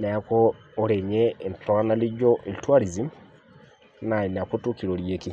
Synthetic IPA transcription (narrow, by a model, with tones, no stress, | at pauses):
nɛ˨a˨koː˦ | ɾe˨ɲeː˦˨ntɔ˨a˦na˦li˦d͡ʒo˦ʔi˨li˨twa˦ɾi˨zi˦m | na˨i˨n˨a˨ko˦tu˦ki˨ɾo˨ɾjeki˦